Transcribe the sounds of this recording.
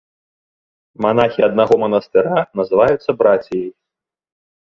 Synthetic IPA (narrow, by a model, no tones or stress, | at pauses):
manaxʲiɐd̪naɣɔmɐnɐst̪ɨɾanɐzɨvajut̪sːɐbɾat͡sʲijɐj